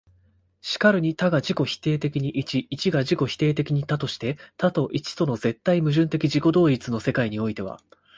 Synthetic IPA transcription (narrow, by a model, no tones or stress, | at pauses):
ɕi̥kaɾɯ̟ɲ̟it̪aɡaʑiko̞çi̥t̪e̞ːt̪e̞kʲiɲ̟iʔit͡ɕiːt͡ɕiɡaʑiko̞çi̥t̪e̞ːt̪e̞kʲiɲ̟it̪at̪o̞ɕi̥t̪e̞t̪at̪o̞ʔit͡ɕi̥t̪o̞no̞ze̞t̪ːaimɯ̟ʑɨ̃nt̪e̞kʲiʑiko̞d̪o̞ːit͡sɨno̞se̞kaiɲ̟io̞it̪e̞β̞a̰